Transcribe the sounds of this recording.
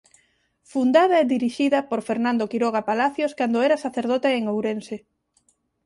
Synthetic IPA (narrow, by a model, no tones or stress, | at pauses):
fund̪aðɐɛðiɾiʃiðɐpoɾfeɾnãnd̪okiɾɔɣapalaθjoskand̪oɛɾɐsaθeɾð̞ɔt̪eeŋowɾense